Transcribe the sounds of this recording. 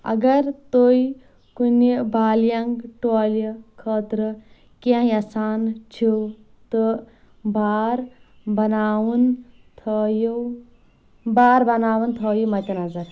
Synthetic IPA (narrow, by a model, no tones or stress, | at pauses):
ɐ̰ɡɐɾt̪oj | kunibʱaːljaŋɡʈoːljəkʰəːt̪ɾə | kãjɐsaːnt͡ʃʰiw | t̪ɨ | baːɾbɐnaːwun | t̪ʰːju | baːɾbɐnaːʋɐnt̪ʰoːjumɐt̪ʲɐnɐzɐɾ